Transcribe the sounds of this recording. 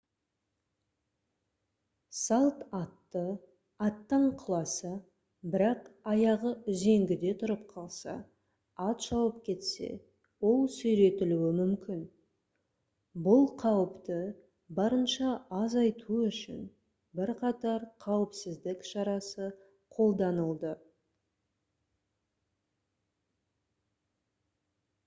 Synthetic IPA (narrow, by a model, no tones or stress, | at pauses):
sɑlˠt̪ɑt̪ːə | ɑt̪ːəɴqʰəlˠɑsə | bɪɾɑqɑjɑʁəʏze̞ŋɡʲɪd̪e̞t̪ʰʊɾəp̚qʰɑlˠsɑ̰ | ɑt̪ʃɑwəpkʲʰe̞t̪se̞̰ | wo̞lˠsɵjɾe̞t̪ɪluwɪmʏmkʲʰɪn | bʊlˠqʰɑwəpt̪ə | bɑɾənʃɑːzɑjt̪ʰuʏʃɪ̰n | bɪɾqʰɑt̪ɑɾqʰɑwəpsɪzd̪ɪkʃɑɾɑsə | qʰo̞lˠd̪ɑnəlˠd̪ə